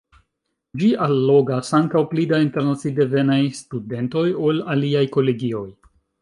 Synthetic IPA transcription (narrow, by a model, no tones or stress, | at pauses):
d͡ʒiʔalːo̞ɡasaŋkawplidainte̞ɾnat͡side̞ve̞najstude̞nto̞jo̞laliajko̞le̞ɡio̞j